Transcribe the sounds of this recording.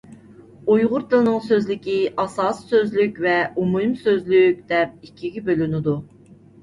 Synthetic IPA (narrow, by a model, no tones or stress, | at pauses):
ujʁʊɾd̪ɨlˠnɨŋsøzlɪkʲiʔɑsɑːsːøzlykʲvɛumumsøzlyk̚ʲd̪̥ɛp̚ikʲʰːiɡʲɛbølynɪd̪u